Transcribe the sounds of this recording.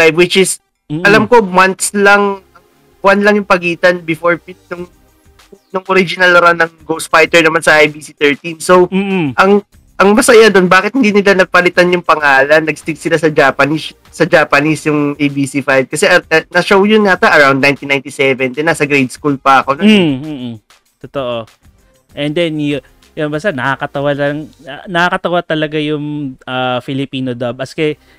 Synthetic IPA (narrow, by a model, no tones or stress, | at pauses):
ajvwɪt͡ʃɪs | ʔɐlamko̞mant̪̚slɐŋɐŋ | bwanlɐŋjʊŋpɐɡiːt̪ɐnbɪfoɹpɪt̪̚nʊŋ | nʊŋʔoɾid͡ʒɪnɐlɾawnɐŋɡowsfajt̪ɛɹnɐmansɐʔajbiːsit̪ɛɹt̪insoʔɐŋ | ʔɐŋmɐsɐjad̪o̞nbaːkɪt̪̚hɪnd̪iːnɪlanɐɡ̚pɐlɪt̪anjʊŋpɐŋaːlɐnːɐɡst̪ɪɡsɪlasɐd͡ʒaːpɐnis | sɐd͡ʒaːpɐnisjʊŋʔejbisifajb̚kɐsɛɐɐnɐʃowjʊnːɐt̪aʔɐɹawnd̪̚ajnt̪inajnt̪isɛvɛnd̪ɛnasɐɡɾejd̪̚skulpɐʔɐko̞noːʔ̩ | t̪ot̪oʔo̞ | ʔɛnd̪ɛnj | jonbast̪anɐkakɐt̪ɐwalɐŋɐnɐkakɐt̪ɐwat̪ɐlɐɡajʊŋafɪlɪpiːnod̪ɐb̚ɐskɛ